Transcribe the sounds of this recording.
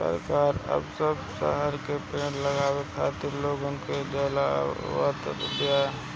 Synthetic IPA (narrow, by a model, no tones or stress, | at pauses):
sə̰ɾkaːɾə̰bsəbsə̰ɦəɾkepẽːʈləɡaːwekʰa̰ːt̪ɪɾloːɡənked͡ʒelaʋə̰t̪ə̰bja